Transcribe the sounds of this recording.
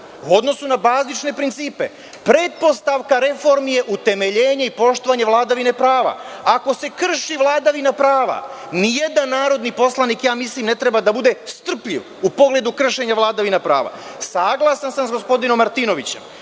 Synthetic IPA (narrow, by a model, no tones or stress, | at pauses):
uo̞d̪no̞sunabaːznit͡ʃne̞pɾint̪siːpe̞̰ | pɾe̞t̪̚po̞st̪aʋkaɾe̞fo̞ɾmije̞ʔut̪e̞me̞ʎe̞ːɲaipo̞ʃt̪o̞ʋaɲeʋlˠaːd̪aʋine̞pɾaːʋa̰ako̞se̞kr̩ʃiʋlˠaːd̪aʋinapɾaːʋa̰nije̞d̪anːaːɾo̞d̪nipo̞slˠaniːkjaːmislimnet̪ɾe̞bad̪abud̪e̞st̪r̩pʎḭʋ | upo̞ɡle̞d̪ukr̩ʃe̞ɲaʋlˠaːd̪aʋinapɾa̰ːʋa̰ | saːɡlˠasansansɡo̞spo̞d̪ino̞mːaɾt̪ino̞ʋit͡ɕe̞̰m